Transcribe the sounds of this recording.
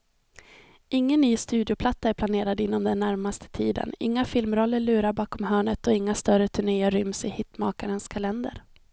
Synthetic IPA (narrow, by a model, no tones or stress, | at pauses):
ʔɪŋːənːyːst̪ʉ̟ːd̪ɪʊpʰlat̪ːaæɾpʰlaneːɾad̪ɪn̪ːɔmd̪ɛnːæɾmast̪ʰə̥t̪ʰiːd̪ə̰nɪ̰ŋːafɪlmɾɔlːəɭʉ̟ːɾaɾbɑːkɔmhœːɳət̪ɔɪŋːast̪œɾət̪ʰɵɳeːəɾʏmsɪhɪt̪ːmɑ̰ːkaɾənskʰalɛnd̪ə̰ɾ